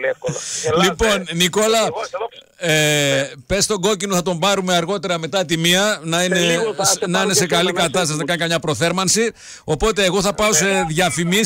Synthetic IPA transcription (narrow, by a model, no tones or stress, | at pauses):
lipo̞nniko̞lɐ | epe̞st̪o̞ɡo̞cino̞θɐt̪o̞mbɐɾumeɐɾɣo̞t̪e̞ɾɐme̞t̪ɐt̪imiɐnɐinesnɐine̞se̞kɐlikɐt̪ɐst̪ɐsinɐkɐnikɐmɲɐpɾo̞θe̞ɾmɐnsi | o̞po̞t̪e̞ːɣo̞θɐpɐo̞se̞ðʝɐfimi